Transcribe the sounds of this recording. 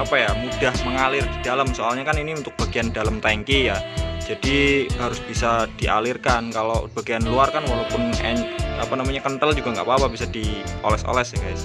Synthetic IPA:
apajamud̥ahməŋalɪrdid̥alamsoalɲakaniniunt̪ʊk̚b̥aɡiandalamt̪aŋkijad͡ʒadiɦaɾʊsb̥isad̥iʔa̰lɪrkankalob̥aɡijanluarkanwalopʊnɛ̰na̰panamaɲakənt̪əld͡ʒuɡaŋɡa̰ʔpapabisadiʔɔ̰lɛso̰lɛsakaj̰s

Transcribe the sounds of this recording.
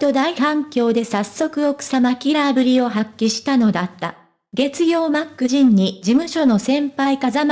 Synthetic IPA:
t̪o̞d̪aihãŋkʲo̞ːd̪e̞sasːo̞kɯ̟o̞kɯ̟̥samakʲiɾabɯ̟ɾʲio̞ɦakʲːiɕi̥t̪ano̞d̪at̪ːa̰ | ɡe̞t͡sɨɡʲo̞ːmakːɯ̟ʑĩɲ̟ːid͡ʑimɯ̟ɕo̞no̞sẽ̞mpaikazam

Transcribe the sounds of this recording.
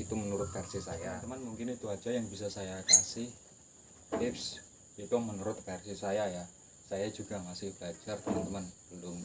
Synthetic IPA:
it̪umənuɾʊt̪̚bɛrsisajaəmanmuŋkɪnit̪uḁd͡ʒ̥ajaŋbisasajakasɪh̪ | ɪps | bit̪umənuɾʊt̪̚fɛrsisajaja | sajad͡ʒuɡ̥a̤ŋasɪhb̥əlad͡ʒart̪əmant̪əmanb̥əndʊŋ

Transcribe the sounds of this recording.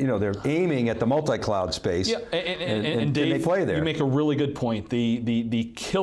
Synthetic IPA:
jɨnoʊðə˞ẽɪ̃mɪ̃ŋɨt̪̚ðəmʌlˠtaɪkʰl̥aʊd̥speɪsæɨ̃ɨ̃nɨ̃ɨ̃ɨ̃ndẽɪðeɪpʰl̥eɪðə̰ɨmeɪkəɹɪlˠiɡʊd̚pʰɔ̃ɪ̃nðɨðɨðɨkʰɪ

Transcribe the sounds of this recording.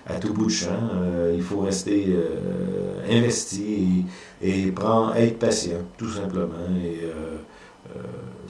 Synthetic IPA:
a̰t̪ubuʃɛ̃øilfoʁɛst̪eø̰ | ɛ̰̃vɛst̪ie | epʁɑ̃ɛ̰d̪pasjɑ̃t̪usɛ̃pləmɑ̃eø̰

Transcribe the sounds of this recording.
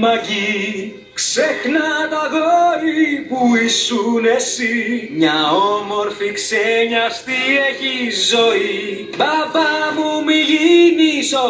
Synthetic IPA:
maɣi | kseknat̪aɣɔipuisunesiɲaɔmɔɾfikseɲast̪iekizɔi | bavamumiʎinisɔ

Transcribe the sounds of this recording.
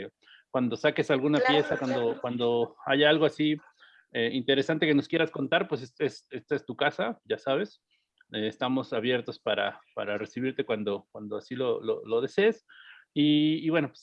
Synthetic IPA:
kwand̪o̞sake̞salɣunapje̞sakwand̪o̞kwand̪o̞aʝaalɣo̞asi | eint̪e̞ɾe̞sant̪e̞ke̞no̞skje̞ɾasko̞nt̪aɾpwe̞s̬esese̞st̪aest̪ukasaɟ͡ʝasaβ̞e̞s | eːst̪amo̞saβje̞ɾt̪o̞spaɾa̰pa̰ɾare̞siβ̞iɾt̪e̞kwand̪o̞kwand̪oasilo̞lo̰lo̞ð̞e̞seːs | iːβwe̞no̞pwes

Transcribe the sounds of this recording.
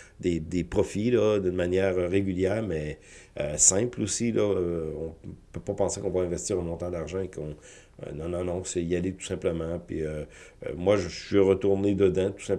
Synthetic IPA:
d̪ed̪epχɔfilɔd̪ynmanjɛːʁøʁeɡʲyljɛːʁmɛ | øsɛ̃plosilɔøɔ̃pøpapɑ̃sekɔ̃vaɛ̃vɛst̪iːʁə̃mɔ̃t̪ãd̪aʁʒɑ̃ekɔ̰̃ | nɔ̃nɔ̃nɔ̃sɛialet̪u̥sɛ̃pləmɑ̃pɥḭø̰ | mwaʒəsɥiʁət̪uʁned̪əd̪ɑ̃t̪u̥sɛ̃p

